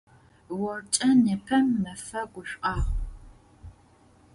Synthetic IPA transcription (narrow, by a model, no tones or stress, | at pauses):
wɔrt͡ʃʼɐneːpʰɐmnɐfɐɡʷʊɕʼqʼɑːʁ